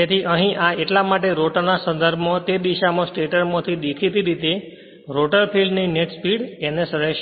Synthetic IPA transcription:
et̪ʰiʔəɦĩʔaeʈlamaʈ̬eɾoʈnasə̃nd̪əɾbʱmõt̪ed̪iʃamõsʈeʈəɾmõt̪ʰid̪ekʰit̪iɾit̪e | ɾoʈəɾpʰilɖnineʈspiɽenesəɾəʃ

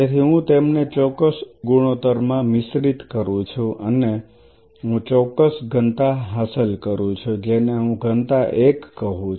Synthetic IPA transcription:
et̪ʰiɦũt̪emnet͡ʃɔkːəsɡuɽ̃ot̪əɾmãmɪsɾit̪kəɾũt͡ʃʰuʔəne | ɦũt͡ʃɔkːəsɡʱənt̪aɦasəlkəɾũt͡ʃʰud͡ʒeneɦũɡʱənt̪aʔekːəɦũ

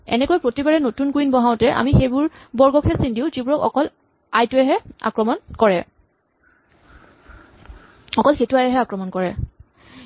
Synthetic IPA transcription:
ɛ̰nɛkojpɹotibaɹɛnotunkuinbɔɦaʊtɛʔa̰mixejbʊɹbɔɹɡɔkʰɛsindiʊzibuɹɔkɔ̰kɔl | ajtuɛɦɛa̰kɹɔmɔnkɔɹɛ | ɔkɔlxejtʊajɛɦɛakɹɔmɔnkɔɹɛ

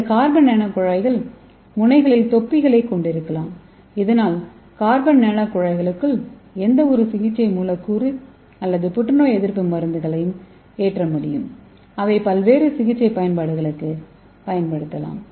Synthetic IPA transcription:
kaːɾbɐnːɛɳɐpːʊɻɐɪɣɐɭ | mʊnɐɪɣɐɭɪlt̪ɔpːɪɣɐɭɐɪkːɔɳɖɪɾɯkːɐlaːm | ɪðɐnaːl | kaːɾbɐnnɛɳɐkːʊɻɐɪɣɐɭɯkːɯlɛnd̪ɐɔɾɯsɪɣɪt͡ʃːɐɪmuːlɐkːuːri | ɐlːɐðɯpʊʈːɐɳoːɛðɪɾpɯmʋɐɾɯnd̪ɯɣɐɭɐjɯm | eːʈrɐmʊɽɪjɯm | ɐʋɐɪpɐlʋeːɾɯsɪɣɪt͡ʃːɐɪpɐjɐnpaːɽɯɣɐɭɯkːɯ | pɐjɐnpɐɽɯt̪ːɐla̰ːm

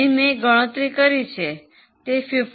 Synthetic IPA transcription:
imeɡəɽ̃ə̃t̪ɾikəɾit͡ʃʰe | t̪efif

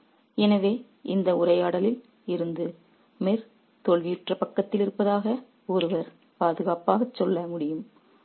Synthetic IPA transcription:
ɛnɐʋeː | ʔɪnd̪ɐʊrɐjaːɽɐlɪl | ɪɾɯnd̪ɯ | meɾ | t̪ɔɭʋɪjʊʈrɐpɐkːɐt̪ːɪlɪɾɯpːɐðaːɣɐ | ɔɾɯʋɐɾ | paːðɯɣaːpaːɣɐt͡ʃːɔlːɐmʊɽɪjɯm

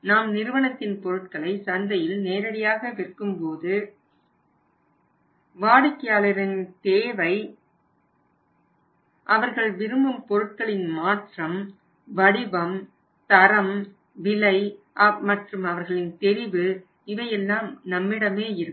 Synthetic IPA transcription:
naːmnɪɾɯʋɐɳɐt̪ːɪnpɔɾɯʈ̚kɐɭɐɪsɐnd̪ɐjɪlneːɾɐɽɪjaːɣɐʋɪrkɯmpoːðɯ | ʋaːɽɯkːɪjaːɭɐɾɪnt̪eːʋɐɪ | ʔɐʋɐɾɣɐɭʋɪɾɯmbɯmpɔɾɯʈ̚kɐɭɪnmaːʈrɐm | ʋɐɽɪʋɐm | t̪ɐɾɐm | ʋɪlɐɪʔɐmɐʈrɯmɐʋɐɾɣɐɭɪnt̪ɛɾɪʋɯ | ɪʋɐjɛlːaːmnɐmːɪɽɐmeːɪɾɯ

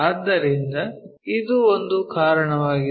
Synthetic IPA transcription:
ad̪ːɐɾind̪ɐid̪uond̪ukaːɾɐɳɐʋaːɡi

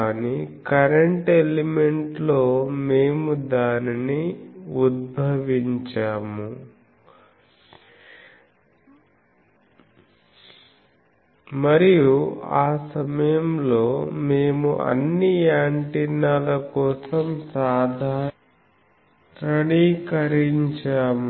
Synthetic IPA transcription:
nikɐɾeɳʈeleme̞ɳʈlo̞ːme̞ːmud̪aːniniud̪̚bʱɐʋiɲt͡ʃaːmu | mɐɾijuaːsɐmɐjɐmlo̞ːme̞ːmṵʔɐ̰nːiaːɳʈinaːlɐkɔːsɐmsaːd̪ʱaː | ɾɐɽiːkɐɾiɲt͡ʃaːm

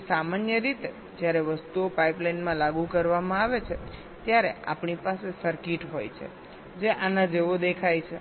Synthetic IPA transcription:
samanjəɾit̪e | d͡ʒjaɾeʋəst̪uopaiplainmãlaɡukəɾʋamãaʋet͡ʃʰe | t̪jaɾea̰pɳipasesəɾkiʈɦo̰jt͡ʃʰḛ | d͡ʒeʔanad͡ʒeʋod̪ekʰajt͡ʃʰe

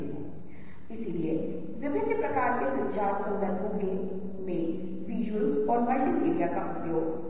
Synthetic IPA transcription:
ɦ | ɪsilie | ʋɪʋɪʃəpɾɐkaːɾkekod͡ʒaːt̪sə̃nd̪ʱəɾkõɡe | mẽ | ʋiːd͡ʒwəlɔːɾmɐɳːipeːɾijakaʊpjoːɡ

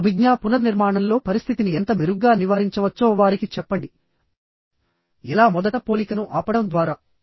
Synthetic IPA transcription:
ɐbʱiɡjaːpunɐniɾmaːɳɐmlo̞ːpɐɾist̪ʰit̪iniɛnt̪ɐmiɾuɡɡaːniʋaːɾiɲt͡ʃɐʋɐt͡ʃːɔːʋaːɾikit͡ʃɛpːɐɳɖi | ilaːmɔd̪ɐʈɐpo̞ːlikɐnuʔaːpɐɽɐmd̪ʋaːɾaː

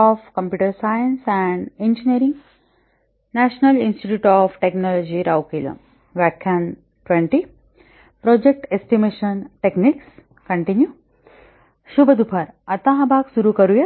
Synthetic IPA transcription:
ɔːfkɐ̃mpjuːʈɐɾsajənsɛ̃ɳɖẽnd͡ʒiniɾĩŋɡ | næʃnɐlinsʈiʈjuːʈɔːfʈeknɔːlod͡ʒiɾʔawkiːlɐ̰m | ʋakʰjan | ʈʋẽɳʈi | pɾɔːd͡ʒek̚ʈesʈimeːʃɐnʈekniks | kɐɳʈinju | ʃubɐd̪upʰaɾɐt̪aɦɐbʱaːksuɾukɐɾuje

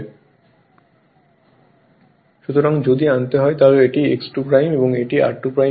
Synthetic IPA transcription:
ʃut̪oɾaŋd͡ʑod̪iant̪eɦɔet̪aloeʈieksʈupɾajmeboŋeʈiʔa̰ɾʈːupɾaj

